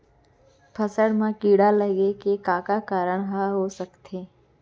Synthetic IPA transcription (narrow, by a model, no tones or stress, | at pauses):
pʰəsəɽmãkiɽaləɡekekãkakaɾəɳɦaɦosəkt̪ʰe